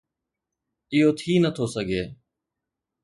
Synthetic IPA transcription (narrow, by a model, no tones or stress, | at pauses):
ɪɦoːt̪ʰiːnət̪ʰoːsəɡʱeː